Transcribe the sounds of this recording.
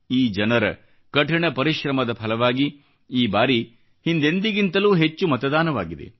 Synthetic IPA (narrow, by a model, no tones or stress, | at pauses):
iːd͡ʒɐnɐɾɐ̰ | kɐʈʰɐɳɐpɐɾiʃɾɐmɐd̪ɐpʰɐlɐʋaːɡi | iːbaːɾi | hind̪end̪iɡint̪ɐluːɦet͡ʃːumɐt̪ɐd̪aːnɐʋaːɡid̪ḛ